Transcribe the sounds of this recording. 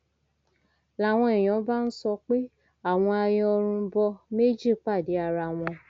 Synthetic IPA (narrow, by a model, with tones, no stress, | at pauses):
la˨w̃ɔ̃˧ɛ˨j̃ɔ̃˨˦ba˦n̩˦sɔ˧k͡pe˦ | a˦˨w̃ɔ̃˧a˧jɔ˧ɔ˧ɾ̃ũ˧bɔ˧me˦d͡ʒi˦˨k͡pa˦˨di˨˦a˧ɾa˧w̃ɔ̃˧